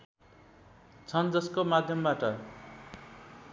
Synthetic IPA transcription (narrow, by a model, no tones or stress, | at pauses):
t͡sʰʌnd͡zʌskomad̪ʱjʌmbaʈʌ